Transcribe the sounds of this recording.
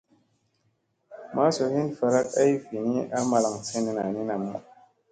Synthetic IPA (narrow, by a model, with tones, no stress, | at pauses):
ma˦so˨hi˦nfa˨ɾa˦k̚a˦i˦fi˨ni˦a˦ma˦la˨ŋse˦ni˦na˨ni˦na˨mṵ˦